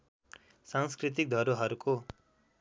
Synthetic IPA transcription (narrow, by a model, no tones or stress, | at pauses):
saŋskrit̪ik̚d̪ʱʌɾuɦʌɾukʰo